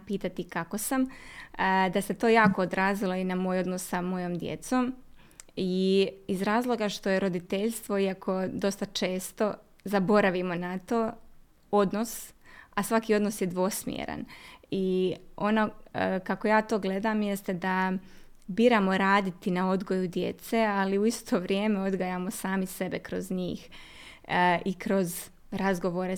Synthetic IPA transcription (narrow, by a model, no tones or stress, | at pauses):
piːt̪at̪ikako̞sam | d̪ase̞t̪oːjaːkood̪ɾaːzilˠo̞inamo̞ːjo̞d̪nossamo̞joːmd̪jḛt̪so̞m | iizɾaːzlˠo̞ɡaʃt̪o̞jeɾo̞d̪it̪eʎst̪ʋo̞iakʰo̞d̪o̞st̪at͡ʃe̞ːst̪o̞ | zabo̞ɾaʋimo̞nat̪o̞ː | o̞d̪nosasʋakiːo̞d̪nosjed̪ʋo̞smjḛɾa̰nio̞nokakojaːt̪o̞ːɡle̞d̪amje̞st̪e̞d̪a | biːɾamo̞ɾaːd̪it̪inao̞d̪ɡo̞jud̪je̞̰t̪sealiuist̪ʰo̞ʋɾʲjeːme̞o̞d̪ɡajamo̞saːmise̞bekɾo̞zɲiːx | ʔikɾo̞z | ɾazɡoʋo̞ɾe